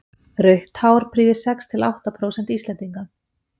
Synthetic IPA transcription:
ɾœɥht̪haːwɾ̥pʰɾiːðɪsɛkst̪ʰɪla̰wht̪apʰɾoːwsɛnt̪iːst̪lɛnt̪iŋkan

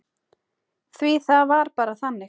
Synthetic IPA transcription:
θviθavaɾpaːɾaθanːɪ

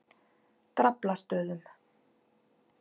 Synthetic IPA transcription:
t̪ɾaplast̪œːðʏm

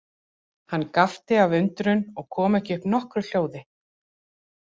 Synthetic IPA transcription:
hanːkaft̪ɪavʏnt̪ɾʏnɔɣkʰɔːmɛhcɪʏhpnɔhkɾʏl̥joːwðɪ

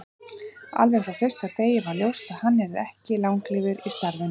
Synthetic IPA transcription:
a̰lvɛxθaθɛst̪at̪eːjɪvaɾljowst̪aðhanːɛɾðɛhcɪlawŋklɪːvʏɾist̪aɾðɪn

